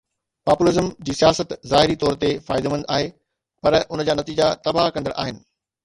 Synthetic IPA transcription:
paːpʊlɪzəmd͡ʑiːsijaːsət̪zaːɦɪɾit̪ɔːɾt̪efaːɪd̪mɐ̃nd̪a̰ːɦe | pɐɾʊnə̆d͡ʑaːnɐt̪iːd͡ʑat̪ɐbakɐ̃nd̪əɽʔa̰ːɦɪnɪ̆

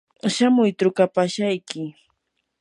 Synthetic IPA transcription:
ʃamʊjt̪ɾʊkapaʃajkɪ

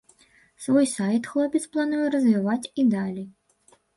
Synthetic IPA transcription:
svɔjsajt̪xlˠɔpʲit̪splˠanujɛɾɐzvʲivat͡sʲid̪alʲij

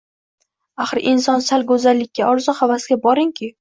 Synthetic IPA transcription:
aχɨɾʔɪnsɒnsalˠɡɵzalːɪkʲːaɒɾzɒχavasɡʲabɒɾɪŋkʲʰɪ

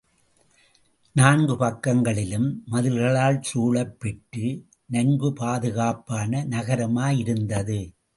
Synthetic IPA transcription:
naːnɡɯpɐkːɐŋɡɐɭɪlɯmːɐðɯlɣɐɭaːlsuːɭɐpːɛʈːɯ | nɐɲɡɯpaːðɯɣaːpaːnɐnɐɣɐɾɐmaːjɪɾɯnd̪ɐðɯ

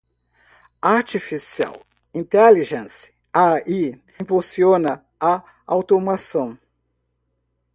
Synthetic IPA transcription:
aɾt͡ʃifisia̰w | ĩnt̪ɛliʒẽsɪ̥ | ai | ĩpusiõnɐ | a | awt̪omasɐ̃w̃

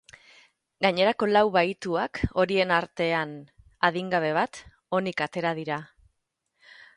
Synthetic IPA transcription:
ɡaɲe̞ɾako̞lawβajt̪uako̞ɾie̞naɾt̪e̞an | aðiŋɡaβ̞e̞β̞at̪ | o̞nikat̪e̞ɾað̞iɾa

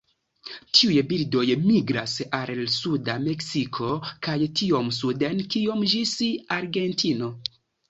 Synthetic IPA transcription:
tʰiujbildo̞jmiɡɾasallsudame̞ksikʰo̞kajtio̞msudenkio̞md͡ʒisiaɾɡe̞ntʰino̞

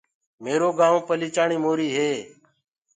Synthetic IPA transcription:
meːɾoːɡaːõːpəliːt͡ʃaːɳiːmoːɾiːɦeː

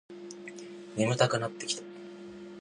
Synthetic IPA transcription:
mʲimɯ̟t̪akɯ̟nat̪ːe̞kʲi̥t̪ḁ

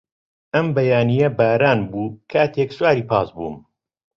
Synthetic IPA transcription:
ʔɐmbɐjaːnijɐbaːɾaːnbuːkʰaːt̪ʰekswaːɾiːpɑːsbṵːm

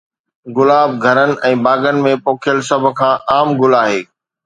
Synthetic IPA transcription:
ɡʊlaːb̚ɡʱɐɾənɪ̆ʔɛ̃ːbaːɡənɪ̆mẽpoːkʰjəlsɐb̆ʱkʰãːʔaːmɡʊlaːɦeː

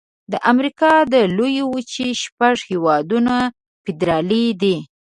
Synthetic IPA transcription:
d̪əʔamɾikɑd̪əlojewut͡ʃiʃpaʐhewɑd̪una | pɪd̪ɾɑlid̪i

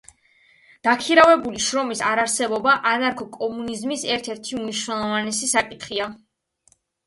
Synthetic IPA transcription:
d̪̥akʰiɾavɛbuliʃɾɔmisaɾaɾsɛbɔbaʔanaɾkʰɔkʼɔmunizmisɛɾt̪ʰɛɾt̪ʰiumniʃwnɛlˠɔvanɛsisakʼit̪ʰχia

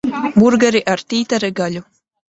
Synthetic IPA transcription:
buɾɡaɾiʔaɾt̪ʲiːt̪aɾɛɡalʲu

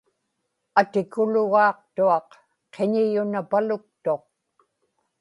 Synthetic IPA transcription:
at̪ɪkʊlʊɣɑːq̚t̪uɑq | qʰːeɲɪjʊnapalʊk̚t̪o̞q̚

